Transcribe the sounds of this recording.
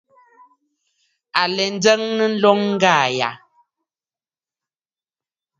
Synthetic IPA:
a˨lɛ˨n̩˦d͡zə˦ŋnə˦n̩˦lɔ˦ŋŋ̩˦ɡaː˦˨ja̰˨

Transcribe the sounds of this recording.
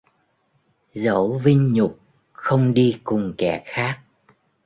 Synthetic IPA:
zə̰˧˩˦wvï˧ŋ̟ɲʊ˨˩k͡p̚ | xə˧wŋ͡mɗi˧kʊ˨˩ŋ͡mkɛ̰˧˩xaː˦˥k̚

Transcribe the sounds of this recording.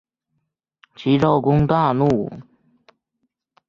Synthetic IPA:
t͡ɕʰi˧˥ʈ͡ʂo˥˩ʊkʊ˥ŋt̪a˥˧nu˥˩

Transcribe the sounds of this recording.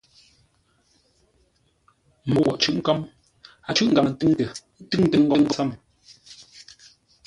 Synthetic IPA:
mo˨˦wɔ˨ʔt͡ʃʉ˦ʔŋ̩˦ka˦m | a˨t͡ʃʉ˦ʔŋ̩ɡa˨ŋə˨n̩˦tɨ˦ŋtə˨˦ | tʉ˦ŋ˦tə˨ŋ̩˦ɡɔ˦ŋ̩˦ɡsa˦˨m˨

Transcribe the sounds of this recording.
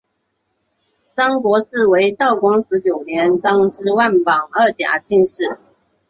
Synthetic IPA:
t͡sɑ˥ŋkwɔ˧˥ʂɹ̩˥˩we˧˥ɪt̪ɑ˥˩ʊkwɑ˥ŋʂɻ̩˧˥t͡ɕjo˨˩ʊnjɛ˧˥nt͡sɑ˥ŋʈ͡ʂɻ̩˥wa˥˩npɑ˨˩ŋə˥˩t̪ja̰˨˩t͡ɕi˥˧nʂɻ̩˥˩

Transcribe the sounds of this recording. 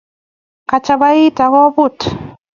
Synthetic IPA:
ka˨t͡ʃa˦ba˦i˦ta˨ɣɔ˦bu˦˨t

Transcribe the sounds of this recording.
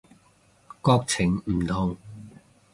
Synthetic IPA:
kɔː˥k̚t͡sʰɪ˨˩ŋm̩˨˩t̪ʰʊ˨˩ŋ

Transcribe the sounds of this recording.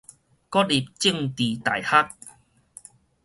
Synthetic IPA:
kɔ˦t̚i˨˩p̚t͡ɕi˥˨ŋt̪i˨˩t̪a̰˨˩jha˦t̚

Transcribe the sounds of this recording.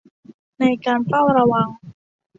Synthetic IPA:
na˧jkaː˧nfa˥˩wɾa˧wa˧ŋ

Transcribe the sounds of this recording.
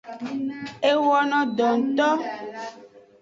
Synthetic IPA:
e˦wɔ˦nɔ̃˨d̪ɔ˨ŋ̩˨t̪ɔ˦

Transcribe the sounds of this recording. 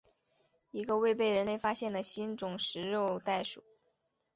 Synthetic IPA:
i˧˥ɡə˧we˥˧ɪpe˥˩ɪɻə˧˥nle˥˩ɪfa˥ɕjɛ˥˩nlə˩ɕi˥nʈ͡ʂʊ˨˩ŋʂɻ̩˧˥ɻo˥˧ʊt̪a˥˩ɪʂu˨˩˦

